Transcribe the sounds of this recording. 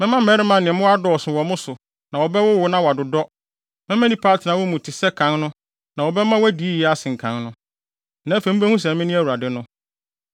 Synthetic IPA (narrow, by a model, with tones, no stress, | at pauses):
mɛ̃˦mã˦mɛ˦ɾɪ˦mã˨nɪ̃˨mʊ̃˦a˦dɔ˨sʊ̃˨wɔ˨mʊ̃˦sʊ˨ | nã˨wɔ˨bɛ˦wʊ˦wʊ˨˦nã˦wa˨dʊ˨dɔ˦ | mɛ̃˦mã˦nĩ˦pʰaː˦tʰɪ˨nã˨˦wɔ˦mũ˨tʰɪ˨sɛ˦kʰã˦nnʊ̃˦ | nã˨wɔ˨bɛ˦mã˦wæ˦di˨˦i˦jɛ˦a˦sɪ̃˨ŋ̩˨kʰã˦nnʊ̃˦ | nã˨˦fẽ˨m̩˦bæ˦hũ˦s̬ɛ̃˨mɪ̃˦nɪ̃˦æ˨wu˨ɾa˨dɪ˦nʊ̃˦